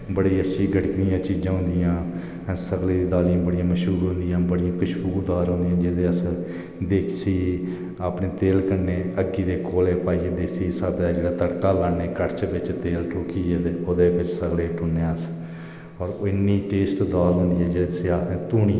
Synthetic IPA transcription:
bəɽiːətːʃʰiːɡʱəʈɪknijãːt͡ʃiːd͡ʒãːɦʊ̃nd̪ɪjãː | səɡleːd̪iːd̪aːlijãːbəɽijãːməʃɦuːɾɦʊ̃nd̪ɪjãːbəɽijãːkʊʃbuːɾd̪aːlɦʊ̃nd̪ijãːd͡ʒeːd̪eːəsə | d̪eːkʰsiː | aːpneːt̪eːlkəɾneːəɡːiːd̪eːkoːleːpaːied̪eːsiːsaːd̪aːd͡ʒeːɽaːt̪əɽkaːlaːnːeːkəʈt͡ʃʋɪt͡ʃt̪eːlʈʰoːkiːd͡ʒeːd̪eːoːd̪eːbɪt͡ʃsəɡleːʈʰʊnːeːəs | ɔːɾɪnːiːʈeːsʈd̪aːlɦʊ̃nd̪iːɛːd͡ʒeːeseaːt̪ʰẽːt̪uːniː

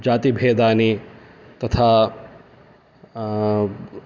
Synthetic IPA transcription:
d͡ʒaːt̪ibʱeːd̪aːni | t̪ɐt̪ʰa

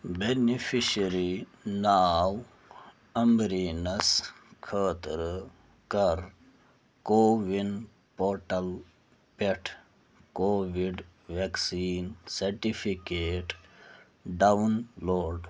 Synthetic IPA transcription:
benipʰiʃɐɾinaːw | ɐmbɾiːnɐs | kʰəːt̪ɾ | kɐɾ | koːʋin | poːɾʈɐl | peʈʰ | koːʋiɖʋeksiːnsɐɾʈipʰikeːʈ | ɖawnloːɾɖ

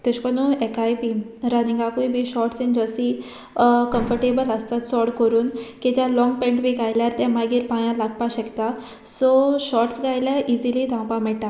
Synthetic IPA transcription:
t̪eɕkɔnuɛkajbiɾəniŋɡakujbʱiɕɔʈsend͡ʑəsi | kə̃mfəɾʈebələst̪at̪sɔɽkəɾuːnkit̪jalɔŋɡpẽɳʈbʱiɡajljaɾt̪ɛ̃maɡiːɾpãjãlaɡ̚paɕɛkt̪a | sɔɕɔʈsɡajljaʔizilid̪ãwpamɛʈa

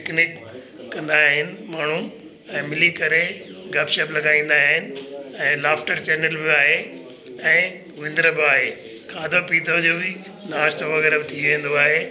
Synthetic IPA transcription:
ɪknɪkː | ɐ̃nd̪aːɦɪnɪ̆maːɳ̤u | ɛ̃ːmɪlikɐɾeɡʱɐpʃɐplɐɡaːĩːn̆d̪aːɦɪnɪ̆ɛ̃ːlaːfʈəɾt͡ɕɛːnəlʋijoaːɦe | ɛ̃ː | ʋɪ̃nd̪ɾəbaːɦeː | kʰaːd̪ʱopiːt̪ʰod͡ʑoːbɪ | naːst̪ʰoʋɐɣɛːɾəbɪt̪ʰiʋẽːnd̪oaːɦeː

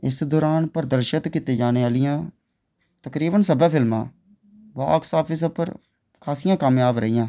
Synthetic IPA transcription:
ɪsd̪oːɾaːnpəɾd̪əɾʃət̪kit̪eːd͡ʒaːneːaːlɪjãː | t̪əkɾiːbənsəbãːpʰɪlmã̰ː | ʋa̰ːksaːpʰɪs̬pəɾ | kʰaːsijãːkaːmjaːbɾəijãː

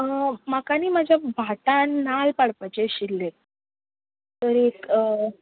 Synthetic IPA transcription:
əmakaniːmad͡ʑʱjabʱaʈanːalpaɽpat͡ɕeɕilːe | t̪əɾekə

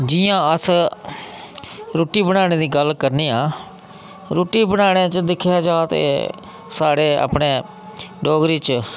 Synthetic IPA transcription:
d͡ʒɪjãːəs | ɾoːʈiːbənaːñeːd̪iːɡəlkəɾniːãː | ɾoːʈiːbənaːɽ̃eːt͡ʃd̪ɪkʰːjaːd͡ʒaːt̪ḛː | saːɽeːa̰ːpɽeː | ɖɔːɡɾiːt͡ʃ

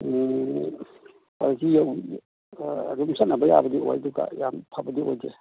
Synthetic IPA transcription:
palisijaw | ɾumsanabaja̰bədio̰jduɡa̰jampʰabədiojd͡ʒe

